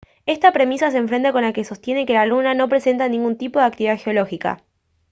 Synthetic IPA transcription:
e̞st̪apɾemisas̬eːɱfɾe̞nt̪ako̞nlake̞so̞st̪je̞ne̞ke̞lalunano̞pɾe̞se̞nt̪anĩŋɡunt̪ipoðeak̚t̪iβiðaxeo̞lo̞xika̰

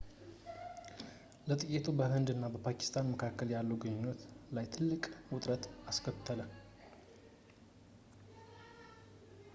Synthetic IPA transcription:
lət̪ʼɨjɪt̪ʰubəhɨnd̪ɨnːabəpʰaki̥st̪ʰanməkʰakːəljalːuɡəɲːɪnːət̪lajt̪ʰɨlːɨkʼwʊt̪ʼɾət̪askʰət̪ʰːələ

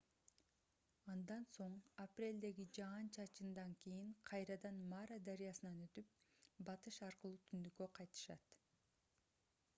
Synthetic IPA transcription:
ɑnd̪ɑnso̞ɴaprʲe̞lʲd̪e̞ɡid͡ʒɑnt͡ʃʰɑt͡ʃɯnd̪ɑŋkijiɴqʰɑjɾɑd̪ɑnmaɾad̪aɾijɑsɯnɑnø̞t̪yp̚bɑt̪ɯʃɑɾqɯlˠuːt̪ʰynd̪ykøqʰɑjt̪ɯ̥ʃɑ̰t̪

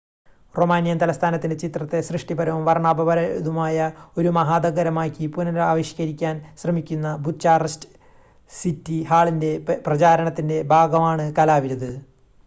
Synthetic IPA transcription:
romaːnjɐnt̪ɐlɐst̪ʰaːnɐt̪ːinde̞t͡ɕit̪rɐt̪ːe̞srɨʂʈibɐɾɐʋumʋɐrɳaːbɐbɐɾɐðumaːjɐo̞ɾumɐɦaːd̪ɐɡɐɾɐmaːkʲːipunɐnaːʋɐɕjɐɣɐɾikʲːaːnɕrɐmikʲːunːɐbʱut͡ɕaːrɐstɨ̥ | sitːihaːɭinde̞prɐt͡ɕaːɾɐɳɐt̪ːinde̞bʱaːɡɐmaːɳɨkɐlaːʋiɾɐðɨ

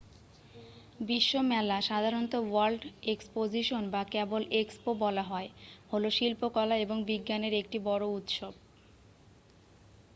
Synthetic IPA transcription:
biʃːomɛlaʃad̪ʱaɾont̪owalɖekspod͡ʑiʃonbakɛbolekspobɔlaɦɔeholoʃilpokɔlaeboŋbiɡːaneɾek̚ʈibɔɾout̪ʃob

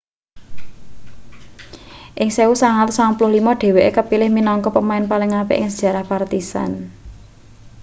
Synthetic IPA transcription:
ʔɪŋseusaŋalsaŋpulʊhlimɔɖ̥e̤weʔekəpilɪhminɔŋkɔpəmaɪnpalɪŋapḛʔɪŋsəd̥ʒ̥ä̤ɾahpart̪isa̰n

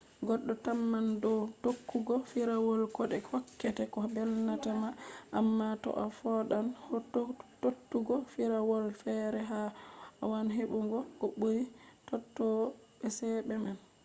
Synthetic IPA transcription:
ɡɔɗːɔtamːandɔtokʰːuɡɔfiɾawɔlkɔɗɛhɔkːɛtɛkɔbɛlnatamaʔamːatɔ̰ʔafɔɗanhɔttotːuɡɔfiɾawɔlfɛɾɛɦaa̰wanɦeɓuŋɡɔkɔɓoɾitɔtːɔ | ɓɛsɛɓɛman

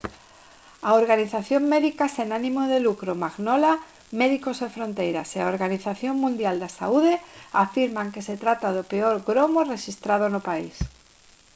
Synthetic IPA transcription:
aoɾɣaniθaθjoŋmeðikasenanĩmoðelukɾomaɣnola | meðikosefɾont̪ejɾa̰seaoɾɣaniθaθjoŋmũnd̪jald̪asa̰uðeafiɾmaŋkeset̪ɾat̪að̞opeoɾɣɾomoreʃist̪ɾað̞onopais

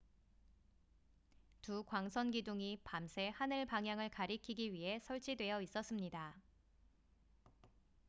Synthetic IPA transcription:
tukwaŋsʰʌnɡiduŋipamsʰe̞hanɯɭpaŋɦjaŋɯɭkaɾikʰiɡiɥiɦe̞sʰʌɭt͡ɕ͈ʰidwe̞jʌis͈ʌs͈ɯmɲida

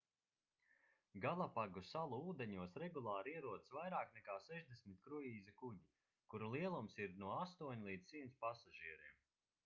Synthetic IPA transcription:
ɡalˠapaɡusalˠuuːd̪eɲuɔsɾɛɡulˠaːɾiɛɾuɔd̪svajɾaːknɛkaːsɛʒd̪esmit̪̚kɾujiːzɛkuɟi | kuɾulˠiɛlˠumsiɾnuɔast̪uɔɲʲlˠiːd̪zsiːnspasaʒiɛɾiːm

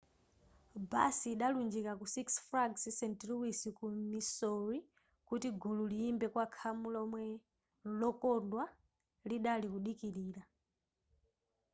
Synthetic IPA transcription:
ba̰siːɗalund͡ʒikakusiksfɾaɡssɛntluwisikumisɔɹi | kutiɡʱululiimbɛkwakʰamulɔmwɛ | lɔkɔndwa | liɗalikuɗikiɾiːɾa

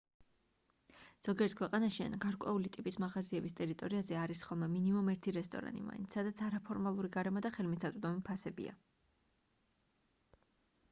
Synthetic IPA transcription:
z̥ɔɡiɛɾt̪̚ʰkʰwɛqʼanaʃia̰nɡ̥aɾkʼwɛ̰ulit̪ʼipʼismaʁaziɛbist̪ʼɛɾit̪ʼɔɾiazɛaɾisχɔlˠmɛminimumɛɾt̪ʰiɾɛst̪ʼɔ̰ɾa̰nʼḭma̰ḭnt̪ssad̪at̪sʰaɾapʰɔɾmalˠuɾiɡaɾɛmɔd̪aχɛlmisat̪ʼd̪ɔmipʰasɛbḭa̰

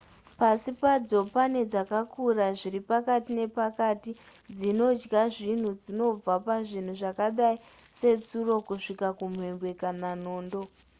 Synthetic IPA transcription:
pasipad͡zo̞pane̞d͡zakakuraʐiɾipakatine̞pakati | d͡zino̞d͡ʒɡaʐin̤ud͡zino̞b͡vapaʐin̤uʐakaɗai | se̞t͡suro̞kuʂikakum̤we̞mbwe̞kanano̞ːndo̞

